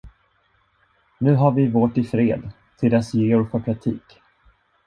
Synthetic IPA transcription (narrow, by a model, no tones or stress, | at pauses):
nʉ̟ːɦaɾvɪvoːʈɪfɾeːd̪ | t̪ʰɪld̪ɛsjeːʊɾfœɾpʰɾak̚t̪ʰḭːk